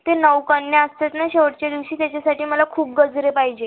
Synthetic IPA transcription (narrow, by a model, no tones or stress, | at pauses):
t̪enəʋkəɳjaəst̪ət̪naɕeʋəʈt͡ɕad̪iʋɕiːt̪jat͡ɕasaʈiːməlakʰuːp̚ɡəd͡zɾepaɦid͡ʑe